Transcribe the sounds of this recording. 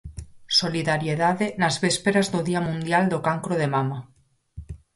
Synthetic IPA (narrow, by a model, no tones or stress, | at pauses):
soliðaɾjeðaðenazβespeɾazðoðiamũnd̪jald̪okaŋkɾoð̞emama